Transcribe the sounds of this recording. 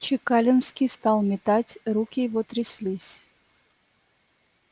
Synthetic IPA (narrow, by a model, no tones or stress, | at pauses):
t͡ɕekɑlʲənskʲist̪ɑlˠmʲet̪ɑtʲrukʲivot̪ɾʲisʲlʲisʲ